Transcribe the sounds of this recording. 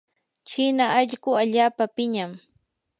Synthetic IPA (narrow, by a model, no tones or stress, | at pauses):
t͡ʃɪnaːʎɢʊaʎaːpapɪɲam